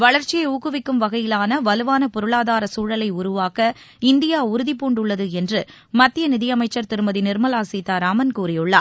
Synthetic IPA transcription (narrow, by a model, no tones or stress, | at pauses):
ʋɐɭɐɾt͡ʃːɪjɐɪuːkːɯʋɪkːɯmʋɐɣɐjɪlaːnɐʋɐlɯʋaːnɐpɔɾɯɭaːðaːɾɐsuːɻɐlɐɪʊɾʊʋaːkɐ | ɪnd̪ɪjaːʊɾɯðɪpːuːɳɖʊɭːɐðɯɛndrɯ | mɐt̪ːɪjɐnɪðɪjɐmɐɪt͡ʃːɐɾt̪ɪɾɯmɐðinɪɾmɐlaːsiːt̪aːɾaːmɐnkuːɾɪjɯɭːa̰ː